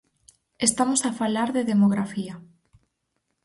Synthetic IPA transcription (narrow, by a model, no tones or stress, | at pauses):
est̪amosafalaɾðeðemoɣɾafia